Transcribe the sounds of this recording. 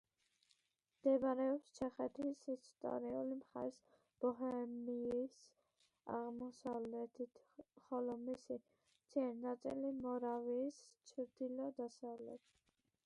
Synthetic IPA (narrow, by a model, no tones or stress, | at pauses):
md̪̥ɛbɾɛɔpst͡ʃʰɛχɛt̪ʰisist̪ʼɔ̰ɾiulimχa̰ɾs | b̥ɔɦɛmiis | a̰ʁmɔsavlɛt̪ʰit̪ʰ | χɔlɔmisi | t͡sʰiɛɾnat̪sʼḭlimɔɾaviːst͡ʃʰɾd̪ilɔd̪asavlɛ̰t̪ʰ